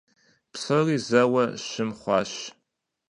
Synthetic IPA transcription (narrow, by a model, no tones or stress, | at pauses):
psɐriːzɐwɐʃɨmχʷɑːʃ